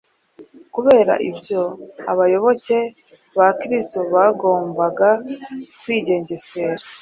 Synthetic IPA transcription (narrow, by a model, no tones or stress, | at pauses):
kuβe̞ːɾa̰ʔibjo̞aβajo̞βo̞ce̞ | βakɾistoβaɡo̞ːmbaɡakwiːɟe̞ːɲɟe̞se̞ɾa